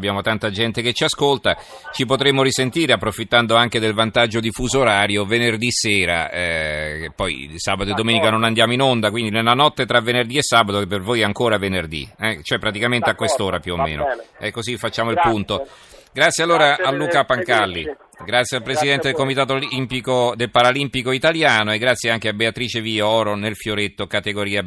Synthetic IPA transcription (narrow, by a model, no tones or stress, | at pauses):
bjaːmot̪ant̪ad͡ʒɛnt̪eket͡ʃːiaskolt̪a | t͡ʃipot̪ɾemːoɾisent̪iːɾeapːɾofit̪ːand̪oaŋk̟ed̪elvant̪ad͡ʒːod̪ifuːzoɾaːɾjovenerd̪iseːɾa̰ | pːɔjsaːbat̪oed̪ːomeːnikanonand̪jaːmoinond̪akwind̪inelːanɔt̪ːet̪ɾavenerd̪iesːaːbat̪opːervojɛaŋkoːɾavenerd̪ḭɛt͡ʃoɛpːɾat̪̬ikament̪eakːwest̪oːɾapjuomːḛːno̰ɛkːozifat͡ʃːaːmoilpunt̪o | ɡɾat̪sːjalːoːɾaːlːuːkapaŋkalːḭ | ɡɾat̪sːjealpɾesid̪ɛnt̪ed̪elkomit̪aːt̪̬oliimpikod̪elpaɾalimpikoit̪aljaːnoeɡːɾat̪sːjeaŋkeabeat̪ɾiːt͡ʃeviɔːɾonelfjoɾet̪ːokat̪eɡoɾiːa